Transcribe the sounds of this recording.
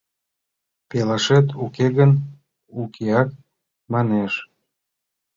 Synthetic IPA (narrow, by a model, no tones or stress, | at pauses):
pelɑʃet̪ukeɣən | ukʰeɑk̚ | mɑneʃ